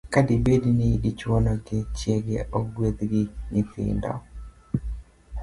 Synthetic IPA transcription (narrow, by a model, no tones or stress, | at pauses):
kadibedinidit͡ʃwɔnɔɡɪt͡ʃjeɡeʔɔɡwet̪ɡɪɲɪfɪ̰ndɔ̰